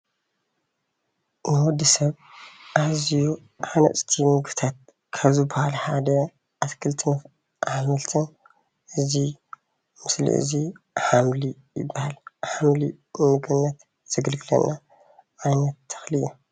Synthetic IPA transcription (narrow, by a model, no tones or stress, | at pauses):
nɨwɔd̪isɐβ | ʔaziju | ʕanɐ̰sʼt̪ʰimɨɡbt̪ʰat̪̚ | kʰɐβzɨbɐhalħad̪ɐ | ʔaskʰɨlt̪ʰɨnɐf | ʔahmɐlt̪ʰɐn | ʔɨzi | mɨslḭʔɨ̰ziħamli | jɪ̰bːahalħamli | mɨɡɨnːɐt̪ | z̥ɐɡɨlɡɨlɐ̰nːa | ʔajnɐt̪ʰːɐ̥xlɨju